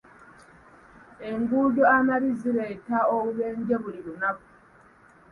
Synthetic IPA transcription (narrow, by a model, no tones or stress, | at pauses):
e̞ŋɡuːɟo̞anaβiziɾe̞ːtaoβuβe̞ːɲɟe̞βuliɾunaku̥